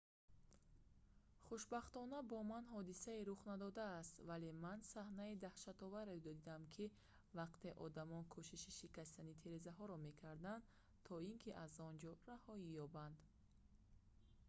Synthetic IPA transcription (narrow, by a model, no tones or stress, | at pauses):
χuʃbaχt̪ɔnabɔmanɦɔd̪isaiɾuχnad̪ɔd̪aːst̪vale̞mansahnaid̪ahʃat̪ɔvaɾed̪ɔd̪id̪amkʰi | vaqt̪ʰe̞ʔɔd̪amɔnkʰuʃiʃiʃikast̪anit̪ʰeɾezaɦɔɾɔme̞kʰaɾd̪and̪ | t̪ʰɔiŋkʰiʔazɔnd͡ʒɔɾahɔijɔband̪